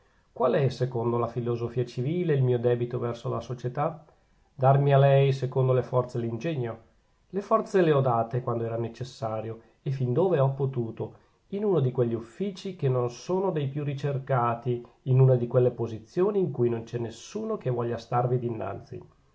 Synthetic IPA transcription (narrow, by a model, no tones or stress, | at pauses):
kwalɛsekond̪olafilozofiːat͡ʃiviːleilmiːod̪ɛːbit̪ovɛrsola̰sot͡ʃet̪a | d̪armialɛjsekond̪olefɔrt̪selind͡ʒeɲːo | lefɔrt̪seleɔd̪aːt̪ekwand̪oɛːɾanet͡ʃesːaːɾjo | efind̪oːveɔpːot̪uːt̪o | inuːnod̪ikweʎːiufːiːt͡ʃikenːonsoːnod̪ejpjurːit͡ʃerkaːt̪iː | nunad̪ikwelːepozit̪sːjoːniːŋkujnont͡ʃɛnːesːuːnokevɔʎːast̪arvid̪inːa̰nt̪sḭ